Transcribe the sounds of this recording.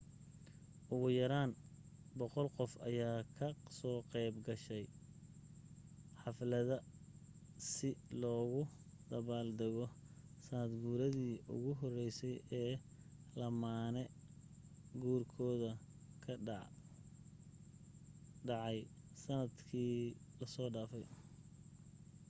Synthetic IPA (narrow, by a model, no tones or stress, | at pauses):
ʔʊɣʊjɐɾaːnbɔqɔlqɔfɐjaːkʰɐsɔːqɛjbɡɐʃɛj | ħɑflɐðɐ | sɪlɔːɣʊ | d̪̥ɐβaːld̪ɛɣɔsɐnɐd̪ɡuːɾɐðiːʔʊ̰ɣʊɦɔrɛjsɛjɛː | lɐmaːnɛ | ɡuːrkʰɔːðɐ | kʰɐ | ɑʕɑjsɐnɐd̪kʰiːlɐsɔːɖaːfɛj